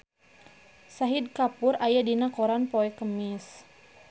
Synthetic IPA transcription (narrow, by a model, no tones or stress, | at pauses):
saɦid̚kapʊɾajadinakɔɾanpɔɛkəmis